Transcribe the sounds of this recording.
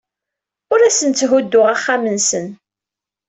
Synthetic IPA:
ʊɾæsənt͡sːɦud̪ːʊʁaχːamənsən

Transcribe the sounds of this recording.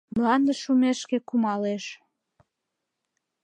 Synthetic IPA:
mlɑnd̪əʃumeʃkekumɑleʃ

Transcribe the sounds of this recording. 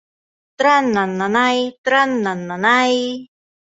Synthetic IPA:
t̪ɾanːanːanajt̪ɾanːanːanaj

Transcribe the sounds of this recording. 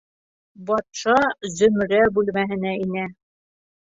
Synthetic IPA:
bɒt̪ʃɑzɵ̆m̆ɾæbʉlmæɦɘ̆næinæ

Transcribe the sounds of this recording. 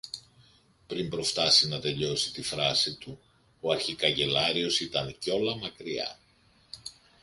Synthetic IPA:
pɾimbɾo̞ft̪ɐsinɐt̪e̞ʎo̞si̥t̪ifɾɐsit̪u | o̞ɐɾçikɐʝe̞lɐɾio̞sit̪ɐnco̞lɐmɐkɾiɐ̰

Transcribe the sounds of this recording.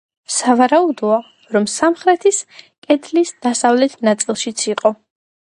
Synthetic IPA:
savaɾaud̪ɔa | ɾɔmsamχɾɛt̪ʰiskʼɛt̪ʰlisd̪̥asavlɛt̪ʰnat̪sʼilˠʃit̪sʰiqʼɔ

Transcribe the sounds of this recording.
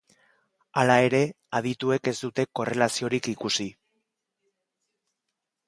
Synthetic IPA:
alae̞ɾe̞ | að̞it̪ue̞ke̞zd̪ut̪e̞ko̞re̞lasio̞ɾikikusi

